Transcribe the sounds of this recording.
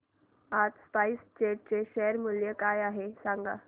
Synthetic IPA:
at̪spaist͡ɕeʈ̚t͡ɕeɕeɾmuljəkajaɦesãŋɡa̰

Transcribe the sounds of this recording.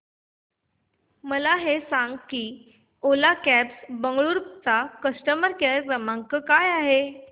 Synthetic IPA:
məlaɦesaŋɡkiː | olakæpsbəŋɡɭuɾt͡sakəsʈəməɾkeəɾkɾəmãŋkəkajaɦe

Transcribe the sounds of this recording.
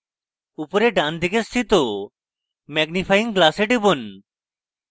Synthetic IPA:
upoɾeɖand̪ʱikest̪ʰit̪o | mɛɡnifʰajiŋɡlaseɖibon

